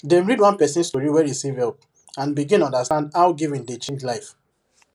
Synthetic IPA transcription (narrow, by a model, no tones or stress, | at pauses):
dɛ̃mɹidwɔ̃npɛsĩnstoɹiwɛisivɛlp̚ | ãnbiɡĩnɔ̃ndastãndaʊɡivĩndet͡ʃɛ̃d͡ʒlaɪf